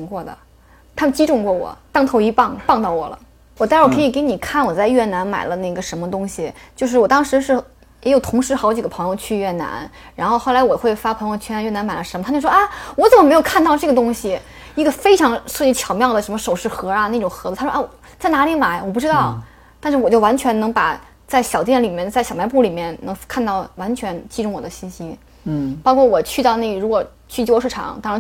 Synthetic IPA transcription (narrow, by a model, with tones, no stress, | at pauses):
i˧˥ŋkwɔ˥˩d̪ə̰˩ | t̪ʰa˥mə˨˧t͡ɕi˥ʈ͡ʂʊ˥˧ŋkwɔ˥˩wɔ̰˨˩˦t̪ɑ˥˧ŋt̪ʰʊi˧˥pɑ˥˩ŋpɑ˥˧ŋt̪ɑ˥˩ʊwɔ̰˨˩lə̰˦ | wɔ˨˩t̪a˥˧˥wkʰɤ˧˥i˨˩ke˧˥ɪni˨˩kʰa˥˩nwɔ˨˩t͡sa˥˧ɪɥɛ˥˩na˧˥nma̰˨˩ɪlə˦na˥˩ɡə˩ʂə˧˥nmə˧t̪ʊ˥ŋɕi˨t͡ɕjo˥˧ʊʂɻ̩˥˩wɔ˨˩t̪ɑ˥ŋʂɻ̩˧˥ʂɻ̩˥˩ | jɛ˧˥jo˨˩ʊt̪ʰʊ˧˥ŋʂɻ̩˧˥xɑ˧˥ʊt͡ɕi˨˩ɡə˦pʰɤ˧˥ŋjo˥˧t͡ɕʰy˥˧ɥɛ˥˩na̰˧˥n | ɻa˧˥nxo˧ʊxo˥˩ʊla˧ɪwɔ˨˩xwe˥˩ɪfa˥pʰɤ˧˥ŋjt͡ɕʰɛ˥˩a˧˥nɥɛ˥˩na˧˥nma˨˩ɪlə˦ʂə˧˥mə˧t̪ʰt͡ɕo˥˧˩ʂwɔ˥a˥wɔ˧˥t͡sə˨˩mə˩m˧˥ɪo˨˩ʊkʰa˥˧nt̪ɑ˥˧ʊʈ͡ʂɤ˥˩ɡə˩t̪ʊ˥ŋɕi˨ | i˧˥ɡə˧fe˥ɪʈ͡ʂʰɑ˧˥ŋʂɤ˥˧˩t͡ɕi˥˩t͡ɕʰjɑ˧˥ʊmjɑ˥˩ʊd̪ə˩ʂə˧˥nmə˧ʂo˨˩ʊʂɻ̩˥˩xɤ˧˥ɐ˧na˥˩ʈ͡ʂʊ˨˩ŋxɤ˧˥u˧a˥ʔa˥˩˨ | t͡sa˥˩na˧˥li˧˥ma˨˩ɪwɔ˨˩p̬u˥˩ʈ͡ʂɻ̩˥ɑ˥˩ʊ | t̪a˥˧nʂɻ̩˥˩wɔ˨˩t͡ɕjo˥˩ʊwa˧˥nt͡ɕʰɥɛ˧˥nnɤ˧˥ŋpa̰˨˩ | t͡sa˥˩ɪɕjɑ˨˩ʊt̪jɛ˥˩nli˨˩mjɛ˥˧nt͡sa˥˩ɕɑ˨ʊma˧˥ɪp̬u˥˩li˨˩mjɛ˥˩nnɤ˧˥ŋkʰa˥˧nt̪ɑ˥˩ʊwa˧˥nt͡ɕʰɥɛ˧˥nt͡ɕi˥ʈ͡ʂʊ˥ŋwɔ˨˩d̪ə˦ɕi˥˩nɕi˥ | pɑ˥ʊkʰwɔ˥˩wɔ˨˩t͡ɕʰy˥˧ɑ˥˧ʊna˥˩˥ɻu˧˥wɔ˨˩ | t͡ɕʰy˥˩t͡ɕjo˥ʊʂɻ̩˥˩ʈ͡ʂʰɑ̰˨˩˦ŋt̪ɑ˥ɻa˧˥